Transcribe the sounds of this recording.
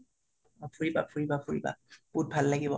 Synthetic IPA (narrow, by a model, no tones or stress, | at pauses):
ɔpʰuɹibapʰuɹibapʰuɹiba̰put̚bʱalːaɡibɔ